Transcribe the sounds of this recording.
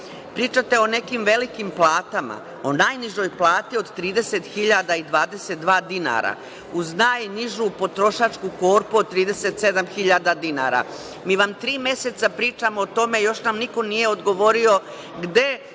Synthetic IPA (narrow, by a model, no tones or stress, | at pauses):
pɾiːt͡ʃat̪e̞o̞ne̞kimʋe̞likimplˠaːt̪ama̰ | o̞naːjniʒo̞jplˠaːt̪io̞d̪t̪ɾiːd̪e̞set̪xiʎad̪aid̪ʋaːd̪e̞set̪̚d̪ʋaːd̪ina̰ɾa̰ | uznaːjniʒupo̞t̪ɾo̞ʃat͡ʃkuko̞ːɾpuod̪̚t̪ːɾiːd̪e̞set̪se̞d̪amxiʎad̪ad̪ina̰ɾa̰ | miːʋamt̪ɾiːmje̞se̞t̪sapɾiːt͡ʃamoːt̪o̞me̞jo̞ʃnamniko̞nije̞o̞d̪ɡo̞ʋo̞ɾio̞ | ɡd̪e̞